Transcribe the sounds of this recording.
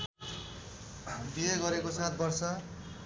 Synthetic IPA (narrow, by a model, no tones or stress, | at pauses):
bieɡʌɾekosat̪̚ʰbʌrsʌ